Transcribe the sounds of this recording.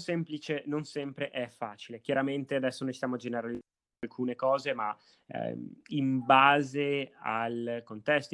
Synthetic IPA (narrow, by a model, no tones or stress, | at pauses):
sɛmplit͡ʃenonsɛmpɾeʔɛfːa̰ːt͡ʃilekjaɾament̪ead̪ɛsːonõnsit̪jamoad͡ʒeneɾalid | alkʰuːnekɔːzema̰ | imbaːzealkont̪ɛst̪